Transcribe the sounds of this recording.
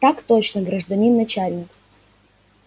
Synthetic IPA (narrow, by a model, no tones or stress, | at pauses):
t̪akt̪ot͡ɕnəɡɾəʐd̪ɐnʲinːɐt͡ɕalʲnʲɪk